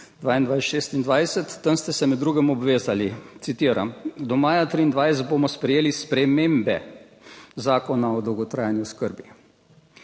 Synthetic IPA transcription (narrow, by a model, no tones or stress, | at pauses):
d̪ʋaːind̪ʋajsʃeːst̪ind̪ʋajsɛt̪ːənst̪ɛsɛmɛd̪d̪ːɾuɡɛmɔbʋeːzalit̪sit̪iːɾa̰md̪ɔmaːjat̪ɾiːnd̪ʋajsɛt̪̚bomɔspɾɛjeːlispɾɛmembɛ | zaːkɔnaɔd̪ɔwɡɔt̪ɾaːjanjuskəɾbi